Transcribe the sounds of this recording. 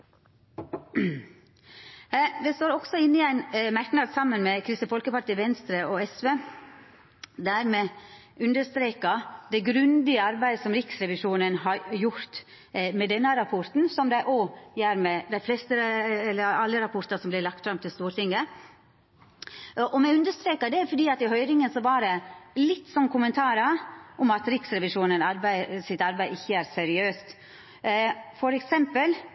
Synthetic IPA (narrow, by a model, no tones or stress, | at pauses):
ʋɛst̪oːɾɔɡ̥sɔɪnːɪæɪnmæɾknɑd̪sɑmːənmɛkʰɾɪst̪əfɔlkəpɑɾʈ̪ʰiːʋɛnst̪ɾəʔɔɛsʋeː | d̪æːɾmɛ | ʉnd̪əst̪ɾeːkɑd̪ɛɡɾʉnd̪ɪəɑɾbæɪd̪əsɔmɾɪksɾɛʋɪʂuːnənɦɑjʊɾt̪ | mɛd̪ɛnːəɑɾɑpʰɔɾt̪n̩sɔmd̪æɪʔoːjæɾmɛd̪æɪflɛst̪əɛlːəɑlːəɾɑpʰɔɾt̪ɑsɔmblɪlɑk̚t̪fɾɑmt̪ʰɪlst̪uːɾt̪ɪŋːə | ʔɔmɛʉnd̪əʂt̪ɾeːkəd̪ɛfɔɖiːɑt̪ɪɦœʏɾɪŋənsɔʋɑːɾəlɪt̪ːsɔnkʰʊmənt̪ʰɑːɾəʔʊmɑt̪ɾɪksɾɛʋɪʂuːnənɑɾbæɪsɪt̪ɑɾbæɪɪçːəæɾsɛɾɪøːst̪ | fɔɾɛksɛmpəl